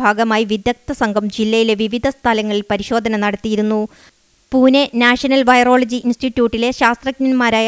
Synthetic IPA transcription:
aːɡɐmaːjiʋid̪jɐk̚t̪ɐsɐŋɡʱɐmd͡ʑilːɐjile̞ʋiʋid̪ʱɐst̪ʰɐlɐŋːɐɭilpɐɾiɕo̞ːd̪ʱɐnɐnɐɽɐt̪ːijiɾunːu | puːnenaːʂɐnɐlʋɐjro̞ːɭɐd͡ʑiʔinsʈiʈːjuːʈːile̞ɕaːst̪rɐknɐnmaːɾaːj

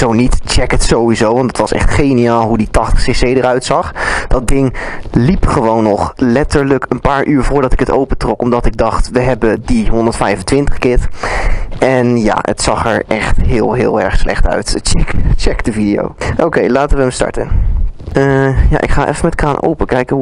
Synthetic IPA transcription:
z̥ownitt͡ʃɛkətsowizowʋɑntətʋɑsɛ̰χtχejnijaːlˠɦuditɑχtə̥χsesejdəɾœɥtsɑχd̥ɑt̚dɪŋlipχəʋownːɔχlɛtəɹləkənpaːɹʔyːɹvʊːɹdɑtɪkətowpətrɔkɔmdɑtɪɡ̚dɑχtʋəɦɛbədiɦɔndəɹtfɛjvəntʋɪntəχkɪt | ɛnja̰ːə̰tsɑχɛɹʔɛχtɦɪːlˠɦɪ̰ːlˠɛ̰ɹχslɛ̰χtœ̰ɥtt͡ʃɛkt͡ʃɛkd̥əvidijo̰wowkejlaːtəʋəəmstɑ̰ɹtən | əja̰ːʔɪ̰kχaːʔɛ̰fəmɛtkaːnʔo̰wpəkɛjkəɦu

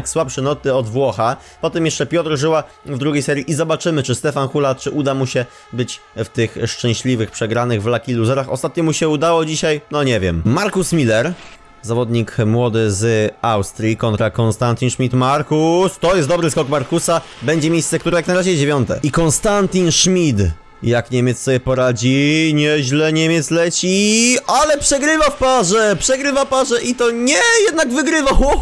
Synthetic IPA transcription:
kswapʂɛnɔt̪ɘɔd̪vwɔxa | pɔt̪ɛmjɛʂt͡ʂɛpʲjɔt̪ɾʐɘwa | vd̪ɾuɡʲejsɛɾʲjiʔizɔbat͡ʂɘmɘt͡ʂɘst̪ɛfanxulat̪̚t͡ʂɘʔud̪amuɕɛ | bɘt͡ɕft̪ɘxʂt͡ʂɛ̃w̃ɕlʲivɘxpʂɛɡɾanɘɣvlakʲiluzɛɾaxɔ̰st̪at̪̚ɲɔmuɕɛud̪awɔd͡ʑiɕajnɔɲɛvʲjɛ̰mmaɾkusmʲilɛɾ | zavɔd̪ɲikmwɔd̪ɘzawst̪ɾʲikɔnt̪ɾakɔnst̪ant̪ʲinʂmʲit̪maɾkust̪ɔjɛst̪d̪ɔbɾɘskɔkmaɾkusa | bɛɲd͡ʑɛmʲejst̪sɛkt̪uɾɛjaknaɾaʑɛd͡ʑevʲjɔnt̪ɛ̰ikɔnst̪ant̪ʲinʂmʲit̪ | jakɲemʲɛt̪ssɔbʲjɛpɔɾad͡ʑiɲɛʑlɛɲemʲjɛt̪slɛt͡ɕialɛpʂɛɡɾɘvafpaʐɛpʂɛɡɾɘvapaʐɛʔit̪ɔɲɛjɛd̪naɡvɘɡɾɘvaxwɔ

